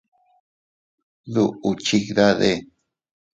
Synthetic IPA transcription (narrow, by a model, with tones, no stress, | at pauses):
ðu˦˨ʔu˨t͡ʃi˦˧kða˦ðe˦˨